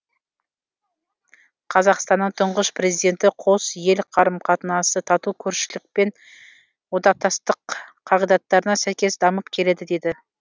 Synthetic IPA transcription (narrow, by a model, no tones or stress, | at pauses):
qʰɑzɑqst̪ɑnːəɴt̪ʰʊɴʁəspʰɾe̞zijd̪e̞nt̪ɪqʰo̞sje̞lqʰɑɾəmqʰɑt̪ənɑsət̪ʰɑt̪ukʲʰɵɾʃɪlɪk̚pe̞n | wod̪ɑq̚t̪ʰɑst̪əqʰː | ɑʁijd̪ɑt̪ːɑɾənɑsæjkʲe̞sd̪ɑməp̚kʲʰe̞le̞d̪ɪd̪e̞d̪ɪ